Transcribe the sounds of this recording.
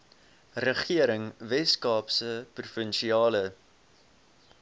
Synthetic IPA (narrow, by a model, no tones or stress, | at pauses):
rəχiəɾəŋvɛskɑːpsəprufənʃiɑːlə